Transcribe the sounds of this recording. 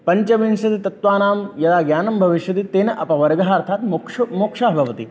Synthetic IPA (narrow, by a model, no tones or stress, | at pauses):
pɐɲt͡ʃɐʋinʃɐt̪it̪ɐt̪ʋaːnaːmjɐd̪aːɡjaːnɐmbʱɐʋiʃjɐt̪it̪eːnɐʔɐpɐʋɐɾɡɐɦaːɾt̪ʰaːt̪mokʂmoːkʂaːɦbʱɐʋɐt̪i